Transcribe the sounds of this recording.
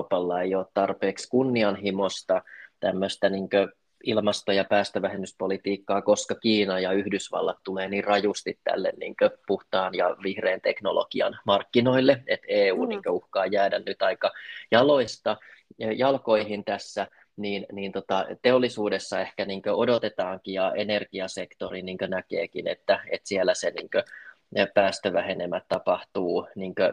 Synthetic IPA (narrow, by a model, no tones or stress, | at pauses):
pɑlːɑeijoːt̪t̪ɑrpeːkskunːiɑnɦimost̪ɑt̪æmːøst̪æniŋkø | ilmɑst̪ojɑpæːst̪øʋæhemyspolit̪iːkːɑːkoskɑkiːnɑjɑyhdysʋɑ̰lːɑt̪t̪uleːnirrɑjust̪it̪tæ̰lːḛnnḭːŋkøpuht̪ɑːnjɑ̰ʋihreːnt̪ekno̰lo̰ɡ̥iɑ̰nmɑrkːino̞ilːeet̪eːuːniːŋkøuhkɑːjæːdænnyt̪ɑikːɑjɑloist̪ɑjɑlko̞ihint̪æsːæ | niːnniːnt̪ot̪ɑt̪eolːisuːdesːɑehkæniːŋkøodot̪et̪ɑːŋkijɑenerɡ̥iɑsekt̪oriniːŋkønækḛːkinḛt̪ːæḛt̪sielːæsenḭːŋkø | pæːst̪øʋæhenemːæt̪t̪ɑpɑht̪uːniːŋkø